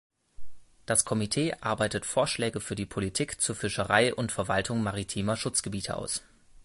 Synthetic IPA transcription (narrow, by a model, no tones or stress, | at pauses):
d̥askʰɔmitʰeːʔaɐbaɪtətfoːɐʃlɛːɡəfyːɐdiːpʰolitʰiːkt͡suːɐfɪʃəʁaɪʔʊntfɛɐvaltʰʊŋmaʁitʰiːmɐʃʊt͡sɡ̥əbiːtʰə̰ʔa̰ʊs